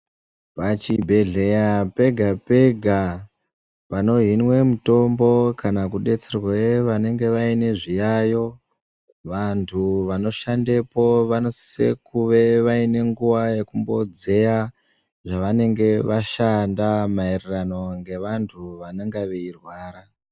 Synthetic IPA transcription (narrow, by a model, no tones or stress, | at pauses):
pat͡ʃibʱe̞ɮe̞jape̞ɡʱape̞ɡʱa | pano̞ɦinwe̞muto̞mbo̞kanakuɗe̞t͡serweʋane̞ŋɡe̞ʋaine̞ʐijajo̞ | ʋantʰuʋano̞ʃande̞po̞ʋano̞si̥sḛkuʋe̞ʋaine̞ŋɡuʋaje̞kumbo̞d͡ze̞ja | ʐaʋane̞ŋɡe̞ʋaʃandamairirano̞ŋɡe̞ʋantʰuʋaneŋɡaʋeirwaːɾa